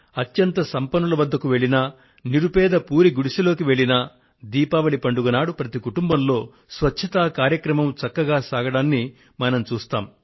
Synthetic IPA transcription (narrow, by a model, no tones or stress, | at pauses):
ɐt̪jɐnt̪ɐsɐmpɐnulɐʋɐd̪ːɐkuʋe̞ɭinɐ | niɾupɛːd̪ɐpuːɾiɡuɽiʂɐlo̞ːkiʋe̞ɭinɐ | d̪iːpɐʋɐɭipɐɳɖuɡɐnaːɽupɾɐt̪ikuʈumbɐmlo̞ː | sʋɐtːt͡ʃʰɐt̪aːkaːɾjɐkɾɐmɐmt͡ʃɐkːɐɡaːsaːɡɐɽaːnːi | mɐnɐmt͡ʃuːst̪a̰ːm